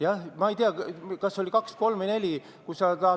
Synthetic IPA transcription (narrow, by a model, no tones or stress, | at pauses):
jɑhmɑejt̪eɑkɑsːolʲikɑksko̞lmne̞lʲi | kusɑt̪ɑ